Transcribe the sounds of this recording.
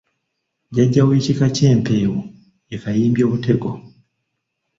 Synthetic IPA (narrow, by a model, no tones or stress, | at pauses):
ɟaɟawit͡ʃikat͡ʃɛm̩pɛwu | jikajimbjaβutʰɛkɔ